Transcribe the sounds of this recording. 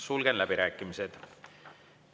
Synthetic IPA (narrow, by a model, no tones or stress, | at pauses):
sulɡ̥enlæb̥iɾæːkːˑimised̪̥